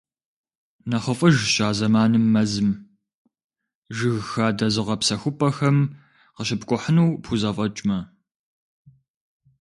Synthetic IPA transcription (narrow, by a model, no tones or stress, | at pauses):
nɐχəfʼɐʒɕʼaːzɐmaːnɨmːɐzɨm | ʒɨɣxaːdɐzɨʁɐpsɐxʷʊpʰʼɐxɐm | qəɕɪpkʷʼʊħənuwpxʰuzɐfʼɐt͡ʃʼmɐ